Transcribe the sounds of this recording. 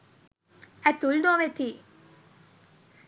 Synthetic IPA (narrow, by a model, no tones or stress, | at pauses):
æt̪uld̪oːʋet̪iː